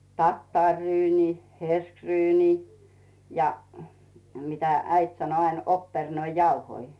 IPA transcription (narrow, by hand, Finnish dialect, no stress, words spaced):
tɑtːɑˑrʲryːniː herskryːniː jɑ mitæ æit sɑno ɑin opːernoijɑuhoi